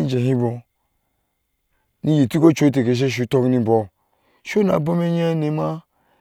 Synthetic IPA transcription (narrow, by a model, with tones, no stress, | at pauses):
i˦d͡ʒe˨ɦi˦bo˨ | ni˦ji˨ti˦ko˦t͡ʃo˦t̬e˨ke˨ʃ̬e˦ʃ̬u˨˦to˦kni˦˨bo˨ | ʃo˦na̰˨˦bo˦me˦ɲa˦ne˨˦ma˦